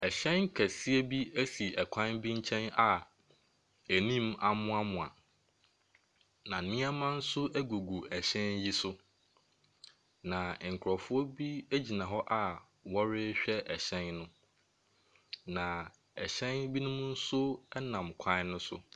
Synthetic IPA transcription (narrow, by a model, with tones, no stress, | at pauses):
ɛ˨ɕɛ̃˦n˦kʰæ˨si˦e˦bi˦æ˦si˨ɛ˨kʰã˦nbi˦ɲ̩˦t͡ɕʰɛ̃˦na˨ | æ˨nĩ˦ma˨mʊ̃˦a˦mʊ̃˨a˨ | nã˨nĩ˦a˦mã˦n̩˦sʊ˦ʔæ˦ɡu˨ɡu˨ɛ˨ɕɛ̃˦n˦ji˦sʊ˦ | nã˨ŋ̩˨kʰʊ˨ɾɔ˨fʊ˦ɔ˦bi˦æ˦d͡ʑi˨nã˨ɦɔ˦ʔa˨ | wɔ˦ɾɪ˦ɕᶣɛ˦ʔɛ˨ɕɛ̃˦nnʊ̃˦ | nã˨ | ɛ˨ɕɛ̃˦nbi˦nʊ̃˦mʊ̃˦n̩˦sʊ˦ɛ˦nã˨mkʷʰã˦nnʊ̃˦sʊ̰˦